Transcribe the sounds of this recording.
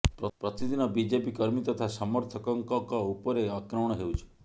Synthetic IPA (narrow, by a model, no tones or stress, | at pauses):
pɾɔpɾɔt̪id̪inɔbid͡ʒepikɔɾmit̪ɔt̪ʰasɔmɔɾt̪ʰɔkɔŋkɔkɔupɔɾeakɾɔwɽ̃ɔɦeut͡ʃʰe̥